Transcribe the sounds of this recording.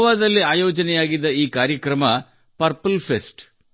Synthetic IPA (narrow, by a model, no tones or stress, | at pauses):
ʋaːd̪ɐlːiaːjɔːd͡ʒɐnɛjaːɡid̪ːɐiːkaːɾjɐkɾɐmɐ | pɐɾpɐlpʰesʈ